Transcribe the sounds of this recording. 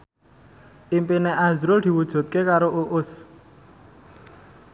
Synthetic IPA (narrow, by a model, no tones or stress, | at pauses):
ʔimpineʔazɾʊd̪̥i̤wud̥ʒ̥ṳt̪̚kekaɾoʔuʔʊs